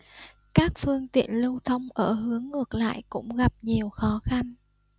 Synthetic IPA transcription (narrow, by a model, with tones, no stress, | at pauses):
kaː˦˥k̚fɨ˧əŋt̪ḭ˧˨ənlə˧wt̪ʰə˧wŋ͡mʔəː˧˩ɦɨ˨˦əŋːɨ˨˩ək̚la̰ː˧˨jkʊ̰˧˥ŋ͡mɣa˨˩p̚ɲi˨˩əwxɔ˨˦xa˧n